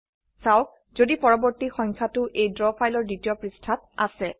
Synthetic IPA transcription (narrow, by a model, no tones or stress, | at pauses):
sawk̚ | zodipɔɹɔbɔɹtixɔŋkʰatʊʔejdɹɔpʰajlɔɹditiɔpɹistʰat̚a̰sɛ